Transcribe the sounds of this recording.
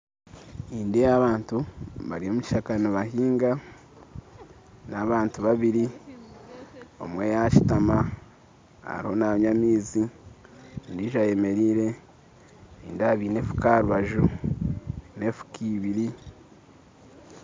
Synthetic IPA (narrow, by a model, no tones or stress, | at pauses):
iːndejaβaːntuβa̰ɾijo̞muci̥ʃakanoβaɦiːŋɡa | naβaːntuβaβiɾi | o̰mwe̞jaci̥tama | a̰ɾḭho̞naβɲamiːzi | ndiʒaje̞me̞ɾiːɾe̞ | iːndaβiːne̞fu̥kaɾuβaʒu | nefu̥kʰiβiɾi